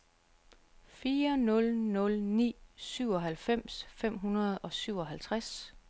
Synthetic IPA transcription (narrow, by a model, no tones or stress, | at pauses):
fiːɐnɔ̽lnɔ̽lnḭːsyʊ̰ɒ̽ɦælfem̰sfem̰ɦunɐð̞̩ˠɒ̽syʊ̰ɒ̽ɦælt͡sʰʁas